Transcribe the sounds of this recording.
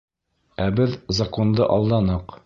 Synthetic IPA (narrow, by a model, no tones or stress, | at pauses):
æbɘðzɐko̞nd̪ɤ̰ʔɒlˠd̪ɑnɤq